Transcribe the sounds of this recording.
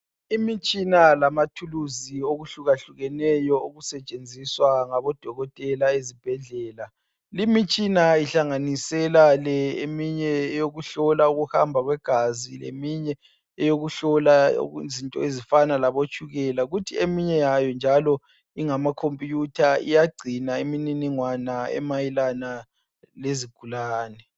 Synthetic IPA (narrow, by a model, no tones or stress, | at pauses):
imit͡ʃʼinalamatʰuluzioɣuɬuɣaɬuɣɛnɛjɔoɣusɛt͡ʃʼend͡zʱiswaŋaβɔd̥ʱɔɣɔtʼɛlaezib̥ʱɛɮɛːla | limit͡ʃʼinaiɬaŋanisɛlalɛemiɲɛjoɣuɬɔlauɣuha̰mbʱaɣwɛɡ̥ʱazilḛmiɲɛ | ɛjoɣuɬɔla̰zintʼɔ̰ezifanalaβot͡ʃʰʼuɣɛlaɣutʰiemiɲɛjajɔnd͡ʒʱalɔ | iŋamakʰompʼijutʰaḭjaɡ͡ǀʱinaemininiŋwanaɛ̰majilana | leziɡ̥ʱulaːnɛ